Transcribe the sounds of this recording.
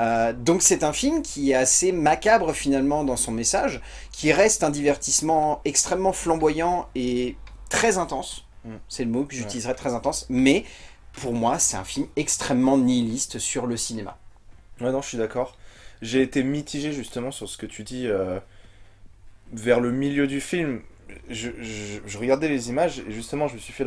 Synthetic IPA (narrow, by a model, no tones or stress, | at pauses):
ød̪ɔ̃ksɛt̪ɛ̃filmkʲʰiɛtasemakʲabʁəfinalmɑ̃d̪ɑ̃sɔ̃mesaʒ | kʲʰiʁɛst̪ɛ̃d̪ivɛʁt̪ismɑ̃ɛkst̪χɛmːɑ̃flɑ̃bwajɑ̃et̪χɛzɛ̃t̪ɑ̃sːɛləmokəʒyt̪ilizʁɛt̪χɛzɛ̃t̪ɑ̃smɛ | pʰuʁmwasɛt̪ɛ̰̃filmɛkst̪χɛmːɑ̃nilist̪syʁləsinema̰ | wɛnɔ̃əsɥid̪akɔːʁʒeːt̪emit̪ʰiʒeʒyst̪əmɑ̃syʁsə̥kət̪ʰyd̪iø | vɛʁləmiljød̪yfilmʒəʒʒəʁəɡaʁd̪ɛlezimaʒeʒyst̪əmɑ̃ʒəməsɥifɛ